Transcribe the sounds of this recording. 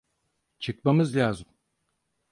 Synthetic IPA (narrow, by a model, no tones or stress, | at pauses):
t͡ʃʰɯk̚mamɯzlʲaːzɯm